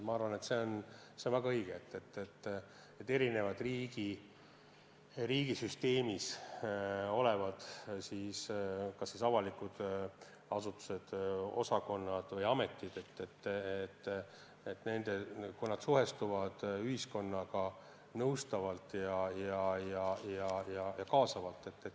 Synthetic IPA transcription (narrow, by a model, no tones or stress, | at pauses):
mɑɑrvɑne̞t̪se̞on | se̞onvæɡɑɤjɡ̥eet̪ːet̪ːet̪ː | et̪ːe̞ɾine̞vɑd̪̥riɡ̥i | riːɡisyst̪e̞ːmis | o̞levɑd̪̥siːskɑsːisɑvɑlikud̪̥ | ɑsut̪ːˑu̥se̞d̪̥o̞̰sɑko̞nːɑd̪̥vɤjɑme̞t̪ːˑid̪̥e̞t̪ːet̪ːet̪ː | et̪ːne̞nd̪̥e̞kujnɑd̪̥suɦe̞st̪uvɑd̪̥yhisko̞nːɑɡ̥ɑ | nɤwst̪ɑvɑlt̪ːjɑjɑjɑjɑjɑjɑkɑːsɑvɑlt̪ːˑe̞t̪ːe